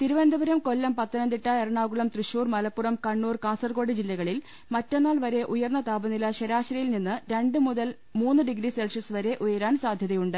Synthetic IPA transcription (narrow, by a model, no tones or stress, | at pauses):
t̪iɾuʋɐnd̪ɐbɐɾɐmko̞lːɐmpɐt̪ːɐnɐnd̪iʈːɐerɐɳaːɣuɭɐmt̪rɨɕuːrmɐlɐpːurɐmkɐɳːuːrkaːsɐrko̞ːɽid͡ʑilːɐɣɐɭil | mɐtːonːaːlʋɐɾe̞ʔujɐrnːɐt̪aːbɐnilɐɕeɾaːɕɾɐjilninːɨɾe̞ɳɖɨmuðɐl | muːnːɨɖiɡɾiselʂɐsɨʋɐɾe̞ʔujɐɾaːnsaːd̪ʱjɐðɐjuɳɖɨ